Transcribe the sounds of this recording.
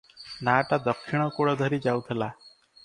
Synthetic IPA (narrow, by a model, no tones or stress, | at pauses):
naːʈad̪ɔkʰʃiɽ̃ɔkoɽɔd̪ʱəɾid͡ʒaut̪ʰela